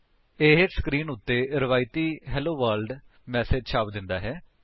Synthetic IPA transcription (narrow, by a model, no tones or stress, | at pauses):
eːɦskɾiːnʊt̪ːeːɾɪʋaːɪt̪iːɦɛːloːʋəːɾlɖ | mɛːseːd͡ʒt͡ʃʰaːpd̪ɪnd̪aːɦɛː